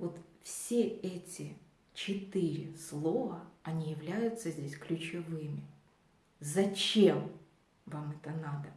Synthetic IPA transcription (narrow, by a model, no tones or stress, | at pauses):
vot̪fsʲeɛtʲɪ | t͡ɕɪt̪ɨɾʲɪslˠo̞vəɐnʲijɪvlʲæjʊt̪səzʲdʲesʲklʲʉt͡ɕɪvɨmʲɪ | zɐt͡ɕem | vamɛt̪ənad̪ə